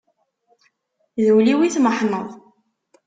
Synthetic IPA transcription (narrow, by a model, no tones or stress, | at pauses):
ðəwliwiθməħnəðˤ